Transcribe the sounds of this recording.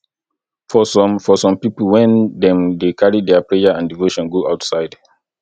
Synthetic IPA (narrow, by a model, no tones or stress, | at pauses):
fɔsɔ̃mfɔsɔ̃mpipəlwɛ̃ndɛ̃mdekʰaɹidɛpɹɛjaãndivoʃɔ̃nɡoʔaʊtsaɪd